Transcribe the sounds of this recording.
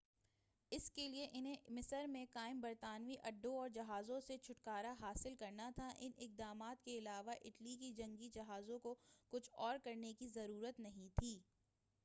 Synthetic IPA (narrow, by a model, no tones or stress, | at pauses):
ɪskelieʔɪnɦẽmɪsəɾmẽkaːɪmbɐɾt̪aːnʋiʔɐɖːõɔːɾd͡ʒɐɦaːzõset͡ʃʰʊʈkaːɾaɦaːsɪlkɐɾnat̪ʰaʔɪnɪk̚d̪aːmaːt̪keɪlaːʋaʔɪʈlikid͡ʒɐ̃ŋɡid͡ʒɐɦaːzõkokʊt͡ʃʰɔːɾkɐɾnekizɐɾuːɾət̪nɐɦĩt̪ʰiː